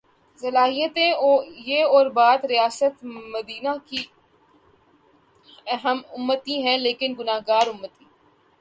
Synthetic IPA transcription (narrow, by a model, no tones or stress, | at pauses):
zəlaːɦijət̪ẽoːjeːɔːɾbaːd̪ɾɪjaːsət̪məd̪iːnaki | əɦəmʊmːət̪ĩɦɛ̃leːkɪnɡʊnaːɦɡaːɾʊmːət̪ĩː